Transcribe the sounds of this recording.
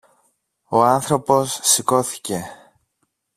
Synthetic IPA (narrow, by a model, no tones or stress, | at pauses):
oɐnθɾo̞po̞sːiko̞θi̥ce̞